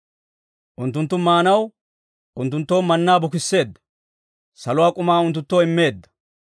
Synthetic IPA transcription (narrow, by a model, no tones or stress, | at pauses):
ʔʊnt̪ːʊnt̪ːʊmaːnɐw | ʊnt̪̬ːʊnt̪ːoːmɐnːaːbʊkɪsːe̞ːd̪ːɐ̥ | sɐlʊwaːkʼʊmaːʊnt̪ːʊt̪ːoːɪmːe̞ːd̪ːɐ̥